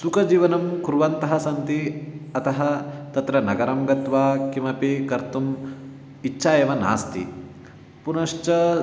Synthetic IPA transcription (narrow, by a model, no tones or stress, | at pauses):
sukɐd͡ʒiːʋɐnɐmkɾuʋɐnt̪ɐɦɐsɐnt̪iɐt̪ɐɦɐt̪ɐt̪ɾɐnɐɡɐɾɐmɡɐt̪ʋaːkimɐpikɐɾt̪um | it͡ʃːʃʰaːjɐʋɐna̰ːst̪ʰḭ | punɐʃt͡ʃɐ